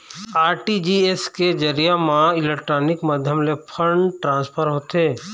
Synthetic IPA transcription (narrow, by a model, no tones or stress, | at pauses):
aːɾʈid͡ʒiːesked͡ʒəɾijamãɪlek̚ʈɾaːnɪkməd̪ʱjəmlepʰə̃ɳɖʈɾãːnspʰəɾɦoːt̪eː